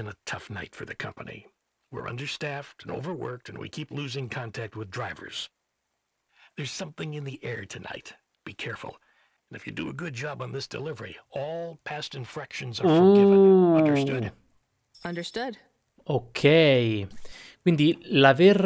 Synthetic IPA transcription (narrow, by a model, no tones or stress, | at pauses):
ɨ̃nətʰʌfnaɪtfə̰˞ðɨkʰʌ̰̃mpənḭ | wɪ̰ɹʔʌ̰̃ndə˞stæftɨ̃no̰ʊvə˞wɜ̰˞k̚tɨ̃nwḭkʰipluzɪ̃ŋkʰɑ̃ntʰæk̚t̚wɨðdɹaɪvə̰˞z̥ | ðə˞z̥sʌ̃mθɪ̃ŋɨ̃nðiʔɛɹtʰɨna̰ɪt | b̥ikʰɛɹfl̩̃ˠ | nɨfjɨdɨːɡʊd̚d͡ʒɑb̃n̩ðɪsd̥ɨ̰lɪvə˞iɔlˠpʰæstɨ̃ɱfɹækʃɨ̃nzəoɪʌ̃ndə˞stʊd | ʌ̃ndə˞stʊd̥ | okʰejkwĩnd̪ilavɛr